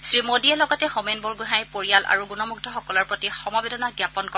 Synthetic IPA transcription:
sɹimodiɛlɔɡɔtɛxomenbɔɹɡuɦajpoɹijalʔa̰ɹuɡunɔmuɡ̚dʰʱɔxɔkɔlɔɹpɹotixɔmɔbedɔnaɡjapɔnkɔ

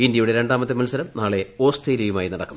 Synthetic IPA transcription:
indjɐjuɽe̞ɾe̞ɳɖaːmɐt̪ːemɐlsɐɾɐmnaːɭe̞o̞ːsʈejlejumaːjinɐɽɐkːum

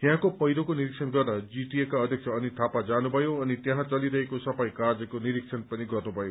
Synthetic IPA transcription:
jãkopʌjɾokoniɾik̚sʰʌnɡʌrːʌd͡ziʈiekaʌd̪ʱjʌk̚t͡sʰʌːnit̪ʰapad͡zanubʱʌjoʌnit̪jãɦãt͡sʌliɾʌɦekosʌbajkard͡zʌkoniɾiksʰʌnpʌniɡʌrnubʱʌjo

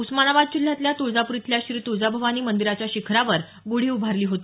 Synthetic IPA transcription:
usmanaʋad̪̚d͡ʑil̤ːjat̪ljat̪od͡zapuɾit̪ljaɕɾiːt̪od͡zabʱəʋaniːmənd̪iɾat͡ɕjaɕikʰɾaʋəɾ | ɡoɽ̤iubʱaɾliːɦot̪i

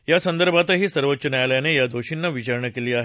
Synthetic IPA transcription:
jasənd̪əɾbʱat̪əɦiːsəɾʋət̪ːɕənajljanejad̪ʱoɕinːaʋit͡ɕaɾɳəkeliːaɦe

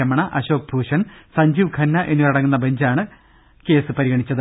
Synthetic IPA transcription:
ɐmɐɳɐʔɐɕo̞ːk̚bʱuːʂɐnsɐɲd͡ʑiːʋkʰɐnːɐʔenːiʋɐɽɐŋːunːɐbeɲd͡ʑaːɳɨ | ke̞ːsɨpɐɾiɣɐɳit͡ɕːɐðɨ

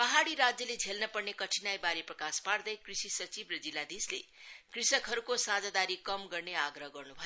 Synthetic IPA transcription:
pʌɦaɽiɾad͡zjʌled͡zʱelnʌpʌrnekʌʈʰinajbaɾeprʌkaspard̪ʌjkrisisʌt͡sibrʌd͡zilːad̪islḛkrisʌkɦʌɾukosad͡zad̪aɾikʌmɡʌrneaɡrʌɦʌɡʌrnubʱʌjo

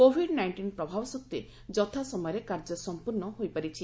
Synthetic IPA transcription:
kobʱiɖnajɳʈinpɾɔbʱabɔsɔk̚t̪e | d͡ʒɔt̪ʰasɔmɔjɔɾekaɾd͡ʒɔsɔmpuɾnɔɦojpaɾit͡ʃʰi

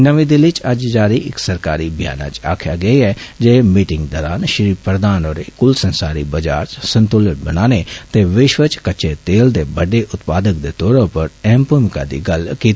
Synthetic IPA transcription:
nəʋĩːd̪ɪlɪt͡ʃəd͡ʒd͡ʒaːɾiːɪksəɾkaːɾiːbɪja̰ːna̰ːt͡ʃa̰ːkʰja̰ːɡəiːɛːd͡ʒeːmiːʈɪ̃ŋɡd̪ɔːɾaːnʃɾiːpɾəd̪aːnoːɾeːkʊlsənsaːɾiːbəd͡ʒaːɾt͡ʃsənt̪ʊlɪʈbənaːneːt̪eːʋɪʃʋət͡ʃkət͡ʃeːt̪eːld̪eːbəɖeːʔʊt̪paːd̪ək̚d̪eːt̪oːɾõːpəɾɛːmpuːmɪka̰ːd̪ḭːɡəlkiːt̪ː

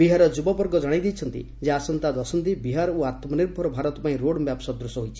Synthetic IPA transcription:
biɦaɾɔd͡ʒubɔpɔɾɡɔd͡ʒaɽ̃aijd̪ijt͡ʃʰɔnt̪ḭ | d͡ʒeasɔnt̪ad̪ɔsɔnt̪ibiɦaɾɔuat̪mɔniɾbʱɔɾɔbʱaɾɔt̪ɔpaĩɾoɽmjapsɔd̪ɾusɔɦojt͡ʃʰi̥

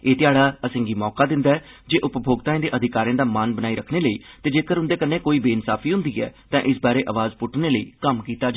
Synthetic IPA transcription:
eːt̪ɪjaːɽaːəsɪ̃ːŋɡiːmɔːkaːd̪ɪ̃nd̪aːɛːd͡ʒeːʔʊpbʱoːɡt̪aːẽːd̪eːʔəd̪ʱɪkaːɾĩjãːd̪aːmaːnbənaːiːɾəkʰneːləḭːt̪eːd͡ʒeːkəɾʊ̃nd̪eːkənːeːkoːiːbeːɪnsaːpʰiːɦʊ̃nd̪iːɛ̰ːt̪ãːʔɪsbaːɾeːʔəʋaːzpʊʈneːləḭːkəmkiːt̪aːd͡ʒ

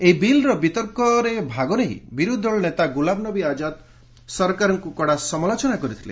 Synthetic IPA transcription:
eibilɾɔbit̪ɔɾkɔɾebʱaɡɔneɦḭbiɾud̪ʱɔɭɔnet̪aɡulabnɔbiad͡ʒat̪ | sɔɾkaɾɔŋkukɔɽasɔmɔlɔt͡ʃɔnakɔɾit̪ʰilḛ

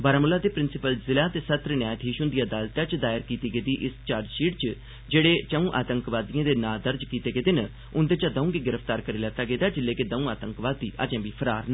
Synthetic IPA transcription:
bəːɾaːmʊlaːd̪eːpɾɪnsɪpəlzɪlaːt̪eːsət̪ɾnjaːjt̪ʰɦiːʃʊnd̪ijaːd̪aːlt̪aːt͡ʃd̪aːɪɾkiːt̪iːɡeːd̪iːʔɪst͡ʃaːɾd͡ʒʃiːʈt͡ʃə | d͡ʒeːɽeːt͡ʃəũːʔa̰ːt̪əŋkʋaːd̪ijãːd̪eːnaːd̪əɾd͡ʒkiːt̪eːɡeːd̪ɪn | ʊnd̪eːt͡ʃaːd̪əũːɡeːɡɪɾəpʰt̪aːɾkəɾeːlɛːt̪aːɡeːd̪aːd͡ʒɪlːeːkeːd̪əũːaːt̪əŋkʋaːd̪iːʔə̰d͡ʒẽːʋiːpʰəɾaːɾn

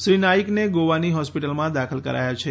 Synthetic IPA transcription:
ʃɾinaikneɡoʋaniɦɔspiʈəlmãd̪akʰəlkəɾa̰jat͡ʃʰe

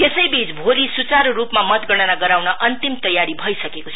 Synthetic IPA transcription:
t̪esʌjbit͡sbʱolisut͡saɾorupmamʌt̪ɡʌɽ̃ʌnaɡʌɾawnʌʔʌnt̪imt̪ʌjaɾibʱʌisʌkekot͡sʰʌ

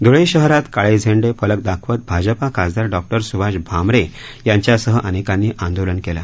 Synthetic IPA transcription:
d̪ʱoɭeɕəɦɾat̪kaɭed͡zʱeɳɖefələk̚d̪akʰʋət̪̚bʱad͡ʑəpakad͡zd̪aɾɖɔk̚ʈəɾsubʱad͡ʑbʱamɾe | jaɲt͡ɕjasəɦəʔənekãnːiːʔãnd̪olənkela̰

